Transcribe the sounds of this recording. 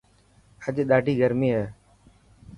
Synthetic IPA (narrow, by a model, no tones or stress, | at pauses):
əd͡ʒɗ̪aːɖʱiːɡʱəɾmiːɦɛː